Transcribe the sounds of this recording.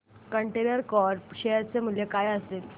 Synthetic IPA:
kəɳʈenəɾkɔɾɕejəɾt͡semuljekajəsel

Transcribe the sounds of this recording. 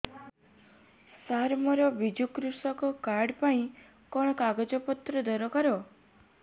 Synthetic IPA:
saɾmɔɾɔbid͡ʒukɾusɔkɔkaɾɖpaĩ | kɔɽ̃ɔkaɡɔd͡ʒɔpɔt̪ɾɔd̪ɔɾɔkaɾɔ

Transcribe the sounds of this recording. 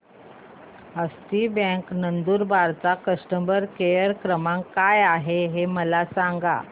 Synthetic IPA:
əst̪iːbɛ̃ŋknənd̪uːɾbaɾt͡sakəsʈəmbəɾkejəɾkɾəmãŋkːajaɦeɦeməlasãŋɡa̰

